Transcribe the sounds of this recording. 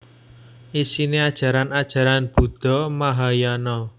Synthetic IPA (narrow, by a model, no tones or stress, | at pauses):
ʔisinead̥ʒ̥ä̤ɾanad̥ʒ̥a̤ɾanb̥ṳd̪̥ɔ̤maɦajanɔ